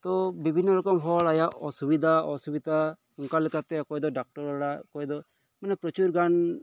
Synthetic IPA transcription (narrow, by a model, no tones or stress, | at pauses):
t̪ɔbibʱinːɔɾɔkɔmɦɔɭajaʔɔsubid̪ʱaɔsubid̪ʱa | uŋkalɛkʰat̪ɛɔkɔjd̪ɔɖak̚ʈɔɾɔɽakɔjd̪ɔ | manɛpɾɔt͡ʃuɾɡan